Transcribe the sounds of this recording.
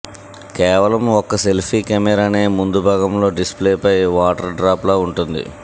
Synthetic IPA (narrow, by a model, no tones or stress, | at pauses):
kɛːʋɐlɐmɔkːɐselpʰiːkɛmɛɾaːneːmund̪ubʱaːɡɐmlo̞ːɖispleːpɐjʋaːʈɐɾɖɾaːploːuɳʈund̪ḭ